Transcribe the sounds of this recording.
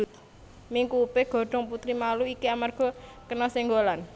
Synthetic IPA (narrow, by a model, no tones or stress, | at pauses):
ut̪̚ | miŋkuːpɪɡ̥ɔ̤ɖ̥ɔ̤ŋput̪ɾimaluikiamarɡ̥ɔ̤ | kənɔsɪŋɡolan